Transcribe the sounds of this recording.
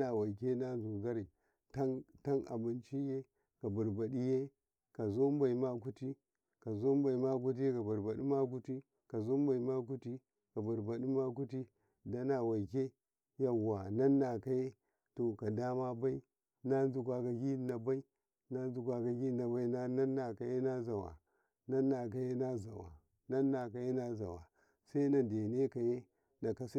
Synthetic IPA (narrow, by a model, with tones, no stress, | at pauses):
na˨wa˨ke˦na˦n˦zu˨ɡa˦ɾi˨ | ta˦nta˦na̰˨bu˨nt͡ʃi˦je˦ | ka˨bu˨ɾba˨ɗi˦je˦ | ka˨zo˦m˦ba˨i˨ma˦k̬u˦ti˦ | ka˨zo˦m˦ba˨i˨ma˦k̬u˦t̬i˦e˦ka˨ba˨ɾba˨ɗi˦ma˦k̬u˦ti˦ | ka˨zo˦mba˨i˨ma˦k̬u˦ti˦ | ka˨bu˨ɾba˨ɗi˦ma˦k̬u˦ti˦ | da˦na˨wa˨i˨ke˦ | ja˨wa˨na˦nːa˨ka˨je˦ | to˨ka˨da˦ma˦ba˦i˦ | na˦nzu˨kʷa˨ka˨ɡi˦na˨ba˦i˦ | na˦n˦zu˨kʷa˨ka˨ɡi˦na˨ba˦i˦na˦na˦nːa˨ka˨je˦na˦za˨wa̰˨ | na˦nːa˨k̬a˨je˦na˦za˨wa̰˨ | na˦nːa˨ka˨je˦na˦za̰˨wa̰˨ | sa˦i˦na˨de˨ne˦ka˨je˦ | na˨ka˨s